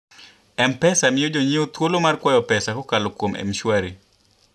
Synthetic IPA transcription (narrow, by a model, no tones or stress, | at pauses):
ɛmpɛsamɪjod͡ʒoɲiot̪wolomarkwɔjɔpɛsakokalokwomɛ̰mʃwaɾi